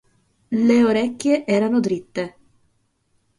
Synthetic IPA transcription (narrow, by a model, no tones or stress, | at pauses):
leoɾekːjeʔɛːɾanod̪ɾit̪ːe